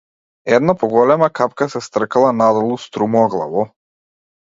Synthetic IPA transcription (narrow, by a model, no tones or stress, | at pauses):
ɛd̪napɔɡɔlɛmakapkasɛst̪r̩kalˠanad̪ɔlˠust̪ɾumɔːɡlˠa̰vɔ